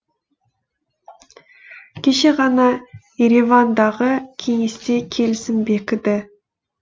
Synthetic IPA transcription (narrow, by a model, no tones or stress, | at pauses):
kʲʰe̞ʃe̞ʁɑnɑjeɾivɑnd̪ɑʁəkʲʰe̞ŋe̞st̪e̞kʲʰe̞lɪsɪnbe̞kʲɪd̪ɪ